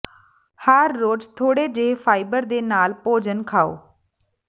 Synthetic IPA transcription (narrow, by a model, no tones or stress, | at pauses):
həɾːoːd͡ʒt̪ʰoːɽeːd͡ʒeːpʰaːibəɾd̪eːnaːlpoːd͡ʒənkʰaːo̰ː